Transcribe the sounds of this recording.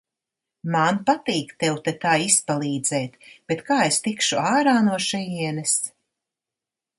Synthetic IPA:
manpat̪iːkt̪ewt̪ɛt̪aːispalˠiːd̪zɛːt̪b̥et̪kaːest̪ikʃuaːɾaːnuɔʃɛjiɛnɛs

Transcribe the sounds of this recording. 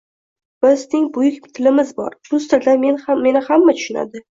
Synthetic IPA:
b̥ɪznɪŋbʊjɪkʲt̪ʰɪlɪmɪzbɒ̰ɾflʊst̪ɪɾd̪ame̞naːe̞nɪhamːat̪ʰʊ̥ʃɪna̰d̪ɪ

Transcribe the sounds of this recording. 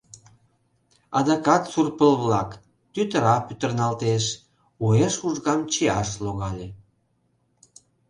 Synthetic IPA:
ɑ̰d̪ɑkɑt̪surpəlβlɑk | t̪yt̪əɾɑpyt̪ə̆rnɑlt̪eʃ | ueʃuʒɣɑmt͡ɕeɑʃloɣɑlʲe

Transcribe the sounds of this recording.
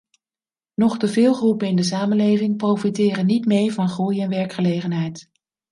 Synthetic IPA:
nɔχdəvɪːlˠχrupənɪndəs̬aːmənlejvɪŋprowfitɪːrənːitmeːɹvɑnχujɛnʋɛɹkχəlejχənɦɛjt

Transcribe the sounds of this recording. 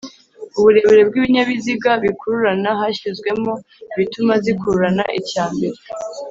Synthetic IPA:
uβuɾe̞βe̞ɾe̞b̚ɡiβiɲaβiziɡaβikuɾuɾanaɦaɕizɡwe̞mo̞ | iβitumazikuɾuɾana̰ʔicaːmbe̞ɾe

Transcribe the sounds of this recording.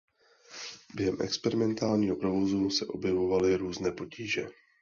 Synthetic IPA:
b̥jɛɦɛmʔɛ̰kspɛɾɪmɛnt̪aːlɲiːɦo̞pɾo̞vo̞zusɛʔo̞bjɛvo̞valɪɾuːznɛːpo̞ciːʒɛ

